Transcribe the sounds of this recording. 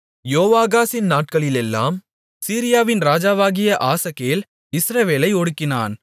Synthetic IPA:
joːʋaːɣaːsɪnnaːʈ̚kɐɭɪlɛlːa̰ːm | siːɾɪjaːʋɪnɾaːd͡ʒaːʋaːɣɪjɐʔaːsɐkːejɪl | ɪsɾɐʋeːlɐɪɔɽɯkːɪna̰ːn

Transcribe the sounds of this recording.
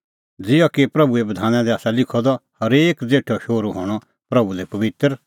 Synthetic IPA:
d͡zɪjɔkipɾɐbuebɐd̪ʱaːnãd̪ɛaːsalɪkʰɔd̪ɔhɐɾeːkd͡zeːʈʰɔʃoːɾuɦo̰ːɽ̃ɔ | pɾɐbulɛpɐʋɪt̪əɾ

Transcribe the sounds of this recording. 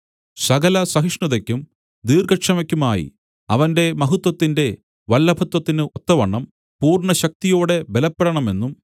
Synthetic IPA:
sɐɡɐlɐsɐɦiʂɳuðɐkʲːum | d̪iːrɡɐkʂɐmɐkʲːumaːjḭ | ɐ̰ʋɐnde̞mɐɦut̪ːwɐt̪ːinde̞ | ʋɐlːɐbʱɐt̪wɐt̪ːinɨʔot̪ːɐʋɐɳːɐm | puːrɳɐɕɐk̚t̪ijo̞ːɽe̞belɐpːeɾɐɳɐme̞nːum

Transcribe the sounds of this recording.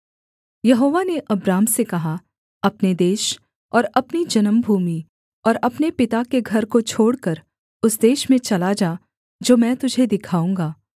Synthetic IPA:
jɐɦoːʋaneʔɐbɾaːmsekɐɦa | ɐpned̪eːʃ | ɔːɾɐpnid͡ʒɐnəmbʱuːmi | ɔːɾɐpnepɪt̪akeɡʱɐɾkot͡ʃʰoːɽkəɾ | ʊsd̪eːʃmẽt͡ʃɐlad͡ʒaː | d͡ʒoːmɛ̃ːt̪ʊd͡ʒʱed̪ɪkʰaːũːŋɡaː

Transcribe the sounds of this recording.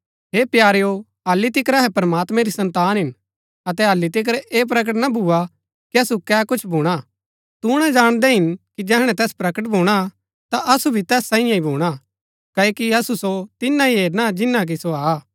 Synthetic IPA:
ɦeːpjaːɾejo | ɐlːit̪ɪkɾɐɦɛpɐɾmaːt̪mɛ̃ɾisɐ̃nt̪aːnɦɪn | ɐt̪ɛɦɐlːit̪̬ɪk̬əɾeːp̬ɾɐk̬əʈ̬nabʱuːa | kiɐsukɛːkʊt͡ʃʰbʱuːɽ̃a | t̪uɽ̃ad͡ʒaːɽ̃d̪ɛɦɪnkid͡ʒɛɦɽ̃ɛ̃t̪ɛːspɾɐkəʈ̬bʱuːɽ̃a | t̪aʔɐsubʱit̪ɛːsːãːĩjãibʱuːɽ̃a | kɐokiɐsusot̪ɪnːaiɦeːɾnad͡ʒɪnːak̬isoaː

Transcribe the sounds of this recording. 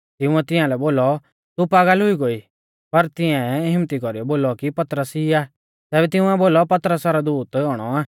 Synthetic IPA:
t̪ɪʊ̃ɛt̪ɪ̃ãlɛboːlɔ | t̪upaːɡəlɦʊiɡoi | pɐɾt̪ɪ̃ɛ̃ɦɪmt̪ikɔɾiɔboːlɔkipɐt̪ɾəsiaː | t̪ɛːbɛt̪ɪ̃ʊ̃ɛboːlɔpɐt̪ɾəsaɾɔd̪uːt̪ɦɔːɽ̃ɔaː

